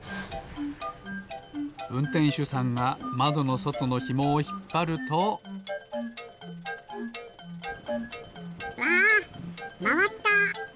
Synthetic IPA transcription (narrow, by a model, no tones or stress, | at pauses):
ɯ̟̃nt̪ẽ̞ɰ̃ɕɨsãŋɡamad̪o̞no̞so̞t̪o̞no̞çimo̞ːçi̥pːaɾɯ̟t̪o | a | maapːa